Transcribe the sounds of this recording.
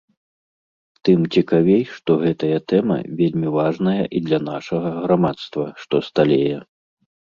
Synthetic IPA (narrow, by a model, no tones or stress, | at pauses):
t̪ɨmt͡sʲikavʲejʂt̪ɔɣɛt̪ɐjɐt̪ɛmɐ̰vʲelʲmʲivaʐnɐjɐ̰ʔid̪lʲɐn̪aʂɐɣɐɣɾamat̪st̪vɐʂt̪ɔst̪alʲɛjɛ